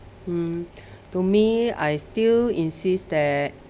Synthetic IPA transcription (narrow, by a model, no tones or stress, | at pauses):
tumia̰jstilĩnsisd̪ɛt̚